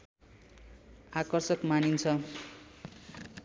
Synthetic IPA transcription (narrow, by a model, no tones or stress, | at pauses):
akʌrsʌkmanint͡sʰʌ